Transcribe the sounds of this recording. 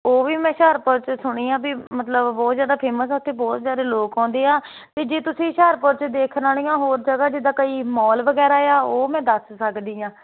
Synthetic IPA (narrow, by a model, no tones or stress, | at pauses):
oːʋiːmɛ̃ːʃaːɾpəɾt͡ʃsʊɽ̃iːãːbiːmət̪ləbːɔːt̪zjaːd̪aːpʰeːməs̬ʊt̪ʰːeːbɔːt̪zjaːd̪eːloːkãːnd̪eːaː | t̪eːd͡ʒeːt̪ʊsĩːʃaːɾpəɾt͡ʃd̪eːkʰnaːlĩːãːɦoːɾd͡ʒəɡaːd͡ʒɪd̪aːkəiːmɔːlʋəɡɛːɾaːeaːoːmɛ̃ːd̪əssəkd̪iːãː